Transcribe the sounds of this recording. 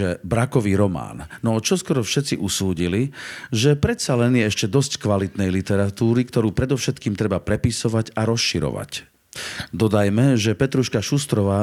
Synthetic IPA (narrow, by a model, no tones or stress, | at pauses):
ɛbɾakɔʋiːɾɔma̰ːnnɔt͡ʃɔskɔɾɔfʃɛt̪t͡siʔusuːɟiliʒɛpɾɛt̪salɛnjɛɛʃcɛd̪ɔsckʋalit̪nɛjlit̪ɛɾat̪uːɾikt̪ɔɾuːpɾɛd̪ɔʊʃɛt̪kiːmt̪ɾɛbapɾɛpisɔʋaɟaɾɔsʃiɾɔ̰ʋa̰c | d̪ɔd̪ajmɛʒɛpɛt̪ɾuʃkaʃust̪ɾɔʋaː